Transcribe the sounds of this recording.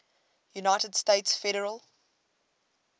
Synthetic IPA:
junaɪtəd̥steɪtsfɛɾəɹəlˠ

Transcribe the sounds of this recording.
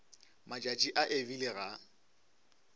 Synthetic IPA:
mat͡ʃʼat͡ʃʼiʔaʔevileɣa

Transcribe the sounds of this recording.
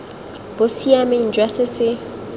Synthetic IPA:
b̥ʊsiamen̩d͡ʒwasɪsɪ

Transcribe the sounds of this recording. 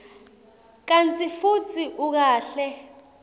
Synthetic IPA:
k̬ant͡sʼifut͡sʰiʔuk̬aːɬɛ

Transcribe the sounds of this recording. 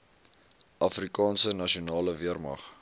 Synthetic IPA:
ʔɐfrikɑːnsənɐʃionɑːləviərmɐ̰χ

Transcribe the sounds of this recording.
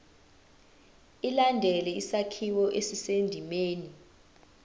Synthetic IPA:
ilandʱɛlɛisakʰiwɔʔesisendʱimeːni

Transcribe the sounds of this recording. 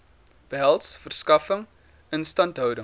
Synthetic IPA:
b̥əɦælˠtsfərskɐfəŋ | ənstɐntɦœwdə

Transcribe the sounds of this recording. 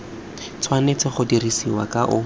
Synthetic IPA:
t͡sʰwanet͡sɪχʊdirisiwa̰kaʔʊ

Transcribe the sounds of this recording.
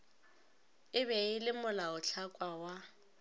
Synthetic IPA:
ɪβɛɪlɪmʊlaʊt͡ɬʰakʼwawa

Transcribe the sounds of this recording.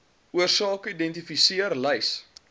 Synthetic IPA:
uərsɑːkidɛntifisiərlɛjs

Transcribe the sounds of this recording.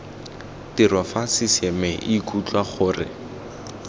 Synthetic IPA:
tɪrwafasɪsɛmɛʔikut͡ɬwaχʊːrɪ̰

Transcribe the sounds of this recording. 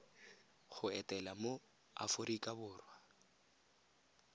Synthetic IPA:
χʊɛtʼɛlamo | a̰fʊɾikʼabʊːrwa

